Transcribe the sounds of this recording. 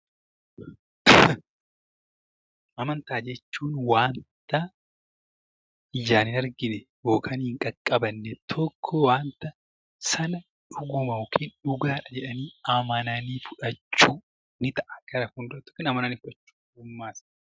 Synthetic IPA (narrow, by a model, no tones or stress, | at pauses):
ʔɐmɐnt̪aːd͡ʒɛt͡ʃːuːnwaːnt̪ɐ | ɪjaːnɪnɐɾɡɪnɛbo̞ːkʼaːnhɪŋkʼɐkʼːɐbɐnːɛt̪ʰɔkʰːɔwaːnt̪ɐ | sɐnɐ | ᶑʊɡʊmɐokʰiːnᶑʊɡaːᶑɐd͡ʒɛᶑɐniːɐmɐnɐniːfʊᶑɐt͡ʃːuː | nɪt̪ɐʔɐkɐɾɐhuːnd̪ʊɾɐt̪ːɔ̥kːɪnɐmɐnɐniːfʊᶑɐt͡ʃːu̥ːɡʊmːaːs